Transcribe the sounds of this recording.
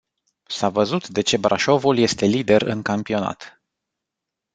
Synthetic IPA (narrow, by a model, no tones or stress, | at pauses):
savəzut̪d̪e̞t͡ʃe̞bɾʔaʃo̞vulje̞st̪e̞lid̪e̞rɨ̰ŋkampio̞na̰t̪